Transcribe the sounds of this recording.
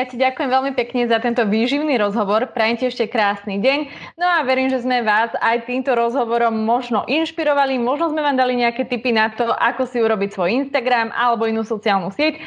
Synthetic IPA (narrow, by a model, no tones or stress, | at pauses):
jacaɟakujɛmʋɛlmipɛkɲɛzat̪ɛnt̪ɔʋiːʒiʊniːɾɔzɦɔʋɔɾpɾɛjɛmcɛɛʃcɛkɾaːsniɟɛɲ | nɔaʋɛɾiːmʒɛzmɛʋaːzajt̪iːmt̪ɔɾɔzɦɔʋɔɾɔmːɔʒnɔʔinʃpiɾɔʋalimɔʒnɔzmɛʋaːmd̪aliɲɛakɛːt̪ipinat̪ɔʔakɔsiuɾɔbicsʋɔjinst̪aɡɾama̰lɛbɔinuːsɔt͡siaːlnusɪɛc